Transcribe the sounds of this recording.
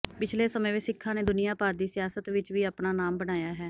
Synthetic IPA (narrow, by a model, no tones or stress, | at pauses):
pɪt͡ʃʰleːsəmẽːʋeːsɪkʰːãːneːd̪ʊnɪjaːpaːɾd̪iːsɪjaːsət̪ʋɪt͡ʃʋiːaːpnaːnaːmbəɽ̃aːjaːɦɛː